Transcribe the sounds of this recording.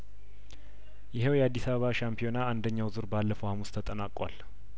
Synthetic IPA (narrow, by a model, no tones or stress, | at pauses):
jɪɦewjɛad̪ːisaβəβaʃampʰijo̞naand̪əɲːawzuɾbalːəfəwhamust̪ʰət̪ʼənakʼwal